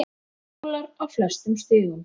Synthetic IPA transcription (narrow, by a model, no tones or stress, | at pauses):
laɾawflɛst̪ʏmst̪ɪːɣʏm